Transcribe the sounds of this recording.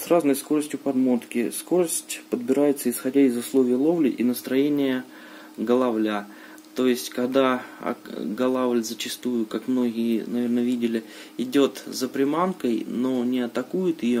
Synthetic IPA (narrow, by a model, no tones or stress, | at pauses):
sraznəjsko̞ɾəsʲtʲjʊpɐd̪mo̞t̪kʲɪsko̞ɾəsʲtʲpəd̪̚bʲɪɾajɪt̪səɪsxɐdʲaɪzʊslˠo̞vʲɪjəlˠo̞vlʲɪʔinəst̪ɾɐjenʲɪjə | ɡəlˠɐvlʲa | t̪o̞jɪsʲtʲkɐɡd̪aɐ̰ɡɐlˠavlʲzət͡ɕɪst̪ujʊkakmno̞ɡʲɪjənɐvʲe̞rnəvʲidʲɪlʲɪ | ɪdʲo̞t̪zəpɾʲɪmankəjno̞nʲɪɐt̪ɐkujɪt̪ɪjo